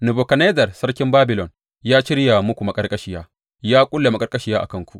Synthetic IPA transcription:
nu˨bo˨kɐ˨neː˦dɐ˨rsɐ˦ɽkʲɪ˦mbaː˦bɪ˨lɔ˨n | jaː˦ʃɪ˦ɽja˨mʊ˦kʷu˨ma˨˦kʼɐ˦rkʼɐ˦ʃɪ˦jaː˦ | jaː˦kʷʼʊ˦lːa˨ma˦kʼɐ˦rkʼɐ˦ʃi˦jaː˦ʔa̰˨kɐ˦ŋkʷu˨ʔ

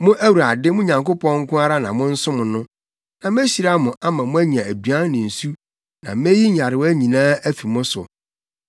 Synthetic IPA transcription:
mʊ̃˦ʔæ˦wu˨ɾa˨dɪ˦mʊ̃˦ɲã˨ŋko˦pʰɔ̃˦ŋ̩˦kʰʊ̃˦a˦ɾa˦nã̰˨mʊ̃˦n̩˦sʊ̃˦mʊ̃˨nʊ̃˦ | nã˨m˦æ˦ɕi˨ɾa˦mʊ̃˨ʔa˦mã˨mʊ̃˦æ˦ɲi˨ã˨æ˨dɥã˦n˦nɪ̃˨n̩˨su˦ | nã˨me˦ji˦ɲ˨a˨ɾɪ˨wɔ˦æ˦ɲĩ˨nãː˦æ˦fi˨mʊ̃˦sʊ̰˨

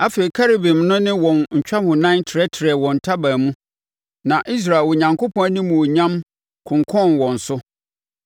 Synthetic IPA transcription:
a˦feː˨i˨kʰa˦ɾi˨bɪ̃˨mnʊ̃˦nɪ̃˦wɔ̃˨nɲ̩˨t͡ɕᶣa˦hʊ̃˨nã˦tʰɪ˨ɾɛ˦tʰɪ˨ɾɛ˨wɔ̃˨n̩˨tʰa˦ba˨mũ˦ | nã˨ʔi˦s̬ɾa˨lwo˨ɲã˨ŋko˦pʰɔ̃˦a˦nĩ˦mũ˨ɲã˦m | kʰʊ̃˨ŋkʰɔ̃˦˨nwɔ̃˨n̩˨sʊ˦

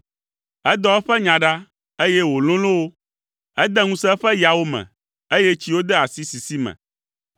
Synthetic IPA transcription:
ɛ˦d̪ɔ˦ɛ˦ɸɛ˦ɲã˨ɖa˦ | e˦je˦wo˨lõ˦lõ˦wo˦ | ɛ˦d̪ɛ˦ŋũ˦sɛ˦ɸɛ˦ja˨wo˦mɛ̰̃˨ | e˦je˦t͡ɕi˦wo˦d̪ɛ˦a˨si˦si˨si˦mɛ̰̃˨

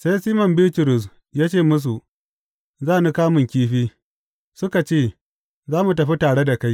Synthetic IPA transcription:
sa˦jsiː˦mɔ˨mbɪ˦ltʊ˨ɾʊ˨s̬ | jaː˦t͡ʃeː˦˨mʊ˦s̬u˨ | zaː˦˨nu˦kaː˦mʊ˨ŋkʲiː˦ɸiː˦ | sʊ˦ka˨t͡ʃeː˦˨ | zaː˦mu˨t̬ɐ˨ɸi˦taː˨ɽe˦da˨ka˦j

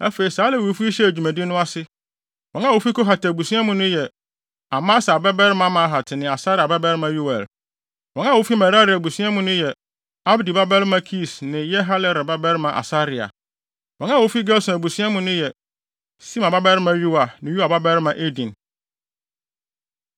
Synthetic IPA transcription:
ɛ˦fe˨i˨saː˨˦lɛ˦wo˨˦fi˦i˦ɕɛ˦æ˨d͡ʑᶣu˨mæ̃˨dɪ˦nʊ̃˦a˦sɪ˦ | wɔ̃˨na˦wo˦fi˦ko˦ɦa˨ta˨bu˨sĩ˦a˦mũ˦nʊ̃˦jɛ˨ | a˨mã˦sɛ˨a˨bɛ˦bɛ˦ɾɪ˦mã˦mã˨˦ɦa˨tʰɪ˨nɪ̃˨a˨sa˦ɾɪ˨a˨bɛ˦bɛ˦ɾɪ˦mã˨ɥu˦wa˨l | wɔ̃˨˦ã˦˨wo˦fi˦ma˨ɾa˦ɾɪ˨a˨bu˨si˦ã˦mũ˦nʊ̃˦jɛ˨ | a˦bdi˨ba˦bɛ˦ɾɪ˦mã˦kʰi˦˨snɪ̃˨jɛ˦ɦa˦lɪ˦ɾɪ˨ba˦bɛ˦ɾɪ˦mã˨ʔa̰˨sa˦ɾɪ˨a̰˨ | wɔ̃˨nã˦wo˦fi˦ɡɛ˦lsʊ̃˨æ˨bu˨sa˦mʊ̃˨nʊ̃˦jɛ˨ | sĩ˦mã˨ba˦bɛ˦ɾɪ˦mã˦ɥu˦wa˨nɪ̃˨ju˦a˨ba˦bɛ˦ɾɪ˦mã˨ʔe˦dĩ˨n

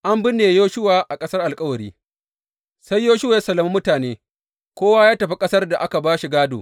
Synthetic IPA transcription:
ʔa˦mbɪ˦nːeː˨joː˦ʃʊ˦waː˨ʔa˨kʼɐ˦sɐ˦rʔa˨lkʼɐ˦wɐ˨ɾiː˦ | sa˦jːoː˦ʃʊ˦waː˨ja˦sɐ˨lɐ˨mu˦mʊ˦taː˨neː˦ | kʷoː˦waː˦jaː˦tɐ˨ɸi˦kʼɐ˦sɐ˦rda˨ʔa˦ka˨baː˦ʃi˨ɡaː˦do̰ː˨

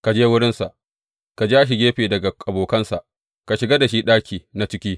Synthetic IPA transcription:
ka˨d͡ʒeː˦wʊ˦ɽɪ˦nsa˨ʔ | ka˨d͡ʒeː˦ʔa˦ʃ̬ɪ˨ɡʲeː˦ɸeː˨dɐ˨ɡa˨a˨boː˨kɐ˦nsa˨ʔ | ka˨ʃɪ˨ɡa˦da˨ʃiː˦ɗaː˦kʲiː˨na˨t͡ʃɪ˦kʲiː˦

